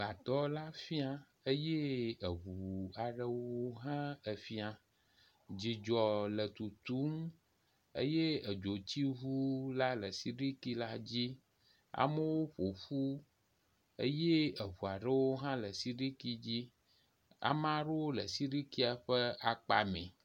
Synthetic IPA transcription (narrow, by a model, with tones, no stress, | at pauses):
ba˨t̪ɔ˦la˦fi˦a˦ | ə˦je˦ə˨ɦu˨a˨ɖə˦wo˦wo˦ɦã˦ə˨fi˦a˨ | d͡ʑi˨d͡ʒɔ˨lə˨t̪u˨t̪u˦m | ə̰˦je˦ə˨d͡ʒo˨t͡ɕi˦ɦu˦la˦lə˨si˦ɖi˦ki˦la˦d͡ʑi˦ | a̰˨mə˦wo˦ɸo˨ɸu˦ | ə̰˦je˦ə˨βu˨a˨ɖə˦wo˦ɦã˦lə˨si˦ɖi˦ki˦d͡ʑi˦ | a̰˨mã˦ɖo˦wo˦lə˨si˦ɖi˦ki˦a˨ɸə˦a˨k͡pa̰˦mḛ̃˨